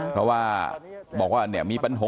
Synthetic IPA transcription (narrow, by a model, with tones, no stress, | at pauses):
pʰɾɔ˦˥waː˥˩bɔː˨˩k̚waː˥˧˩ni˥˩miː˧pa˧nɦo˨˦